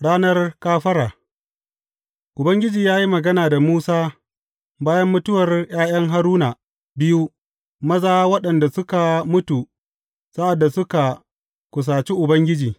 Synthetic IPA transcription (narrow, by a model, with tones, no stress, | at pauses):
ɽaː˦nɐ˦rkaː˦ɸɐ˦ɾaː˨ | ʔʊ˨bɐ˦ŋɡʲɪ˦d͡ʒiː˨jaː˦ji˦mɐ˨ɡɐ˦naː˨da˨muː˦saː˦ | baː˦jɐ˦mːʊ˦tʊ˦wɐ˨rj̰aː˦j̰ɐ˦ŋɦa˦ɾuː˦naː˨ | bɪ˦ju˦ | mɐ˦zaː˦wɐ˦ɗɐ˨nda˨sʊ˦ka˨mʊ˦tu˨ | sa˦ʔa˨dːa˨sʊ˦ka˨ | kʷʊ˨s̬aː˨t͡ʃi˦ʔʊ˨bɐ˦ŋɡʲɪ˦d͡ʒiː˨